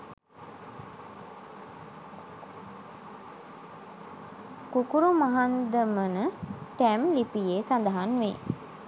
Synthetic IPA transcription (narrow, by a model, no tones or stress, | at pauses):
kukuɾumaɦand̪əmənəʈæmlipijesand̪əɦanʋḛ